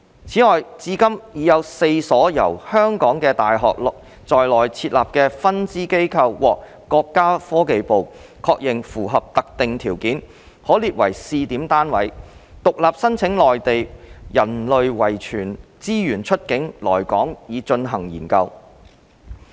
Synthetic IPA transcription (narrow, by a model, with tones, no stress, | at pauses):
t͡sʰiː˨˥ŋɔː˨jt͡siː˨˧kɐ˥mjiː˨˥jɐ˨˧wse˧jsɔː˨˥jɐ̰˨˩whœː˥ŋkɔː˨˥ŋkɛː˧t̪aː˨jɦɔ̰ː˨k̚lk̚ | t͡sɔː˨jlɔː˨jt͡sʰiː˧t̚laː˨p̚kɛː˧fɐ˥nt͡siː˥ke˥jkʰɐ˧wwɔː˨k̚ | kːɔː˧kːaː˥fɔː˥ke˨jpo˨w | kʰɔː˧k̚jɪ˨˩ŋfuː˨˩ɦɐ˨p̚t̪ɐ˨k̚t̪ɪ˨ŋt̪ʰiː˨˩wkiː˨˥n | hɔː˨˥liː˨t̚wɐ̰˨˩jsiː˧t̪iː˨˥mt̪aː˥nwɐ̰˨˥jt̪ʊ˨k̚laː˨p̚sɐ˥nt͡sʰɪ˨˥ŋlɔː˨˩jt̪e˨jjɐ˨˩nlɵ˨ɥwɐ˨˩jt͡ʃʰyː˨˩nt͡siː˥jyː˨˩nt͡ʃʰɵ˥t̚kɪ˨˥ŋlɔ̰ː˨˩jkɔː˨˥ŋjiː˨˧t͡ʃɵ˧nɦɐ˨˩ŋjḭː˨˩nkɐ˧w